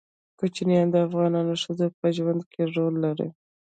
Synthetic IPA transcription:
kot͡ʃnijɑnd̪əafɣɑnɑnoʂəd̪opəʒwand̪kʰeɾolːaɾḭ

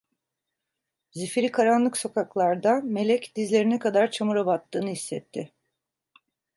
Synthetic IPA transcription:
zifɾikʰaɾanlˠɯkso̞kʰaklˠaɾd̪ame̞lʲɛcd̪izlʲe̞ɾinɛkad̪aɾt͡ʃʰamuɾabat̪ːɯːnɯhisːɛt̪ʰːɪ

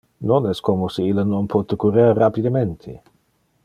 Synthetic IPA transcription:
nonɛskomoseilːənonpʰɔt̪əkuɾeɾːapid̪ement̪ʰe

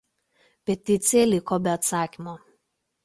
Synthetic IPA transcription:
pʲɛt̪ʲɪt̪sʲɪjɛlʲɪkobʲɛɐt̪sɑːkʲɪmoː

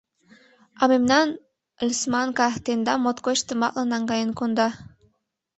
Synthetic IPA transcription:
ɑmemnɑn | lʲsmɑŋkɑt̪end̪ɑmot̪kot͡ɕt̪əmɑ̰k̪lɑnɑŋɡɑjənkond̪ɑ

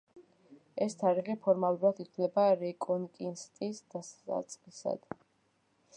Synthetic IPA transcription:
ɛst̪ʰaɾiʁɛpʰɔɾmalˠuɾad̪it̪ʰlɛbaɾɛkʼɔnkʼinst̪ʼisd̪̥asa̰t̪sʼqʼisa̰d̪̥

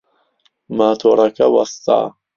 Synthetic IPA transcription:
maːt̪ʰoːɾˤɐkʰɐwɐ̰st̪a̰ː

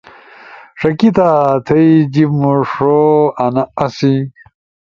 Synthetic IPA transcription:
ʂɐkit̪at̪ʰɐjd͡ʑimoʂoɐnɐɐsi

